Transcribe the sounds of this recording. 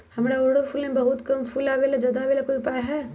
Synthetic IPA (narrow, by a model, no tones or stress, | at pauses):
hɐmɽaoːɽəɾfʰuːlmẽbɐɦʊt̪kɐmfʰuːlaʋeːlad͡ʒɐd̪aʋeːlakoːiʊpaːjɦɛː